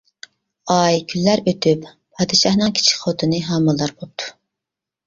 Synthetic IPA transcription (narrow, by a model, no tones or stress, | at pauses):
ɑjkʲʰylːæɾøt̪ʰyp | pʰːɑːd̪ɨʃɑhnɨŋkʲʰi̥t͡ʃʰi̥kʲχot̪ʰɨnɨɦɑːmɨlˠːɑɾbop̚t̪ʰu̥